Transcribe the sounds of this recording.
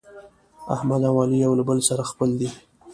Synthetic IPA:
a̰hmad̪awɑlijawlabəlsaɾaxpəld̪i

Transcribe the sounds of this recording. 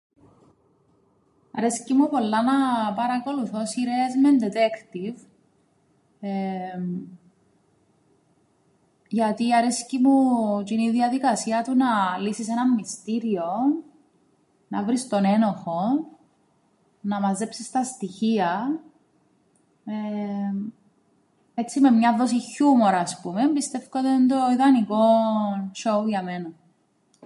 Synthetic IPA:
ɐɾescimupo̞lːɐnɐpɐɾɐko̞luθo̞siɾezmend̪et̪ekt̪iv | ʝɐt̪iɐɾescimut̪iniðiɐðikɐsiɐt̪unɐlisisenɐmːist̪iɾio | nɐvɾist̪one̞no̞xo̞ | nɐmɐze̞psist̪ɐst̪içiɐ | e | et͡sːime̞mɲɐðo̞siçumo̞ɾɐːspume̞mbist̪e̞fkod̪end̪oiðɐniko̞nʃouʝɐme̞nɐ

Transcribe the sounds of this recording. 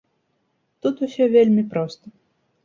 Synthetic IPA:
t̪ut̪usʲɔvʲelʲmʲipɾɔst̪ə

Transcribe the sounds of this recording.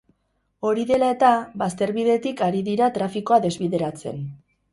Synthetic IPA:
o̞ɾiðe̞lae̞t̪aβast̪e̞ɾβiðe̞t̪ikaɾiðiɾat̪ɾafiko̞aðe̞zβiðe̞ɾat͡se̞̰n

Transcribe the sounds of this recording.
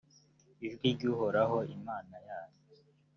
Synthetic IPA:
iʒɡiɾɟuːɦoɾaɦo̞imaːnajaːɲe

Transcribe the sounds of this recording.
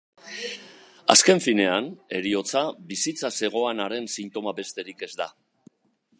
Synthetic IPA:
a̰ske̞ɱfine̞ane̞ɾio̞t͡sabisit͡sase̞ɣ̞o̞anaɾe̞nsint̪o̞mabe̞st̪e̞ɾike̞zd̪a

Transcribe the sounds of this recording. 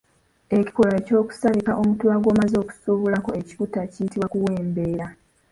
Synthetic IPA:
e̞ci̥ko̞laeco̞ːku̥saβikaʔomutwaːɡo̞ːmazo̞ːku̥suːβulako̞e̞ci̥kutacijitiβwakuweːmbe̞ːɾa

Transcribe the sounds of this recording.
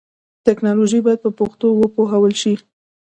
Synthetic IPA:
t̪ɪknɑloʒibɑjad̪̚pəpoxt̪owəpoɦawəlʃi

